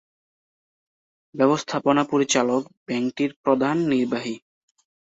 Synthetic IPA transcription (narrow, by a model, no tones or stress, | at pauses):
bɛbost̪ʰaponapoɾit͡ɕalok̚bɛŋʈiɾpɾod̪ʱanːiɾbaɦi